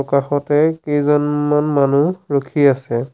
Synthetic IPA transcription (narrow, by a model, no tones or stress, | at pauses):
ɔkaxɔtɛkejzɔnmanmanuɹokʰiasɛ